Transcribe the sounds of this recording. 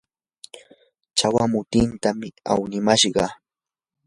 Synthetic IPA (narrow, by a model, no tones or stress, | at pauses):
t͡ʃawamʊt̪ɪnt̪amɪa̰wnɪmaʃɢɑ